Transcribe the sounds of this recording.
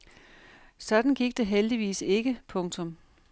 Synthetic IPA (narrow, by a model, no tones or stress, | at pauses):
sɒ̽d̥n̩ɡ̥iɡ̥̚d̥eɦeld̥iʋḭːse̝ɡ̥əpʰɔ̽ŋt͡sʰɔ̽m